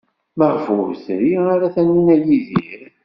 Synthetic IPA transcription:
məʁfʊɾθɾiaɾaθænːinæjiðiɾ

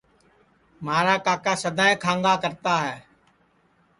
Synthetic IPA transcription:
maːɾaːkaːkaːsəd̪ʱãːẽːkʰãːŋɡaːkəɾt̪aːɦɛː

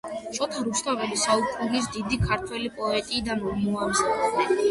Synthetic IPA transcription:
t̪t͡ʃsʼɔt̪ʰaɾust̪ʰavɛlisaukʼulis̬d̪id̪ikʰaɾt̪ʰwɛlipʼɔɛt̪ʼiːd̪anɔmɔamzad̪ɛɛ

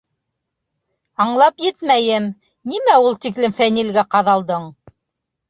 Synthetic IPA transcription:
ɑɴlˠɑpjɘt̪mæjɘm | nimæulˠt̪iklɘmfænilɡæqɑðɑlˠd̪ɤɴ

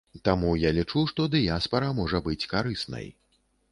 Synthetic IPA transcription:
t̪amujalʲit͡ʂuʂt̪ɔd̪ɨjaspɐɾɐmɔʐɐbɨt͡sʲkaɾɨsnɐ̰j

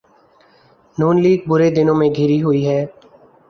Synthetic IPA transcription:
nuːnliːɡ̚bʊɾed̪ɪnõːmẽɡʱiːɾiɦʊiɦɛː

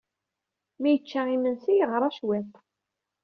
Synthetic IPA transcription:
mæjət͡ʃːæimənsijəʁɾˤɑʃwæt̪

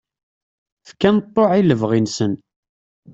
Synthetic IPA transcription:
fkːænt̪ˤːoʕiləvʁinsən

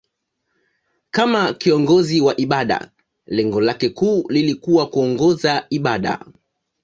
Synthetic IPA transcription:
kamakiɔŋɡɔziwaʔiɓaɗa̰ | lɛŋɡɔlakɛkuːlilikuwakuɔŋɡɔzaiɓaɗa̰

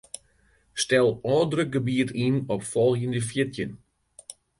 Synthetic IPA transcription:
stɛlˠɔːdrøk̚ɡəbiətʰinɔpfɔlˠxjəndəfjɪtjən

